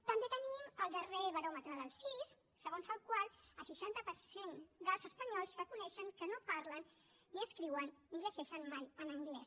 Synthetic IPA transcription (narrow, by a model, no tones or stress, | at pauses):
t̪əmbet̪əniməlˠd̪əreβəɾɔmət̪ɾəðəlˠsisː | əɣonzəlˠkwalˠəlˠsiʃant̪əpəɾsend̪əlˠzəspəɲɔlˠzrəkunɛʃəŋkənopaɾlənː | iəskɾiwənːiʎəʃɛʃənmajənəŋɡlɛs